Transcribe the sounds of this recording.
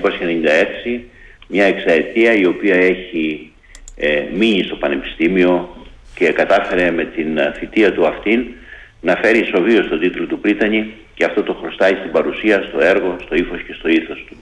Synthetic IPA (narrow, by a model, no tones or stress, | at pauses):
posiçeneɲind̪ɐe̞ksimɲɐe̞ksɐɾet̪iɐio̞piɐe̞çi | miɲist̪o̞pɐne̞pi̥st̪imio̞ce̞kɐt̪ɐfe̞ɾe̞me̞t̪inθit̪iɐt̪uɐft̪in | nɐfe̞ɾiso̞vio̞st̪o̞t̪it̪lo̞t̪upɾit̪ɐɲi | ceɐft̪o̞t̪o̞xɾo̞st̪ɐɲist̪ibɐɾusiɐst̪o̞e̞ɾɣo̞st̪o̞ifo̞sce̞st̪o̞iθo̞st̪u̥